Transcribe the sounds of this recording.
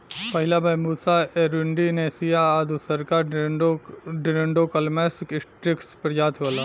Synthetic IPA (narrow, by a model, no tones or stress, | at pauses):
pɐɦɪlabɛːmuːd̪saeɾuɳɖinesijaːd̪usɐɾkaːɾ | ɖɾeɳɖokɐlmeskɪsʈɾɪkspɾɐjaːt̪ʰʋolaː